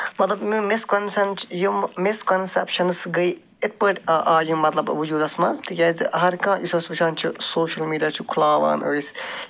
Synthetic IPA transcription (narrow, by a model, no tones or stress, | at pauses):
mɐt̪lɐbmimɪskɐnsɐnt͡ʃjummɪskɐnsḛpʃɐnsɡɐj | ɪt̪̚pɐʈːʔaːjumɐt̪lɐbʋud͡ʒuːd̪ɐsmɐnst̪jɐzɦɐɾkãːjusɐsʋuʃʰãːnt͡ʃʰisoːʃɐlmiːɖijaːt͡ʃʰukʰulaːʋa̰ːno̰ɾis